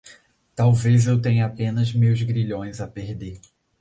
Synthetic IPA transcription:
t̪awvezewt̪ẽɲʊapẽnɐzmewzɡɾiʎõj̃zɐpeɾd̪e

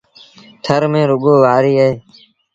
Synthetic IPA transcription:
t̪ʰəɾmẽːɾʊɠoːʋaːɾiːəɦeː

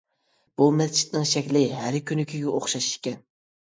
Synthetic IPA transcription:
b̥umɛst͡ʃʰi̥t̪nɪŋʃɛkʲlɪɦæɾkʲʰynykʲʰyɡʲɛoχʃɑʃʃkʲɛn

